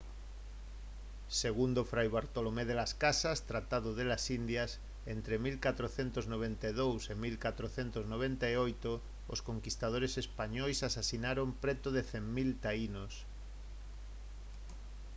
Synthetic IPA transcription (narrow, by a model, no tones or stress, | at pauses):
seɣund̪ofɾajβaɾt̪olomeðelaskasast̪ɾat̪aðoðelasind̪jas | ent̪ɾemilkat̪ɾoθent̪oznoβ̞ent̪aeðowsemilkat̪ɾoθent̪oznoβ̞ent̪aeojt̪o | oskoŋkist̪aðoɾesespaɲojsasasinaɾompɾet̪oðeθemmilt̪ainos